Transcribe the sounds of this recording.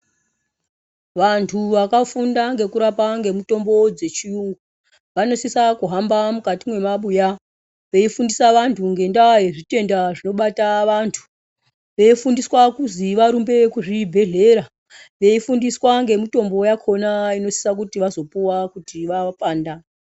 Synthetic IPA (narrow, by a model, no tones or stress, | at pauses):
ʋantʰuʋakafundaŋɡe̞kuɾapaŋɡe̞mito̞mbo̞d͡ze̞t͡ʃiu | ʋano̞sisakuɦambamukatimwe̞maɓuja | ʋe̞ifundisaʋantʰuŋɡe̞ndaɦeʐite̞ndaʐino̞ɓataʋantʰu̥ | ʋe̞ifundiswakuziʋaɾumbe̞kuʐibʱe̞ɮe̞ɾa | ʋe̞ifundiswaŋɡe̞mito̞mbo̞jakʰo̞naino̞si̥sak̬utiʋazo̞puwakutiʋapaːnda